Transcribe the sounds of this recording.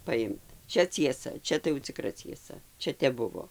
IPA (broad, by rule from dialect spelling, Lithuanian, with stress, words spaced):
pɐˈɪmt ˈt͡ʃʲɛ t͡sʲiɛˈsɐ ˈt͡ʃʲɛ tɐɪ jɛʊ t͡sʲɪˈkrɐ t͡sʲiɛˈsɐ ˈt͡ʃʲɛ ˈtʲɛp ˈbʊʋoː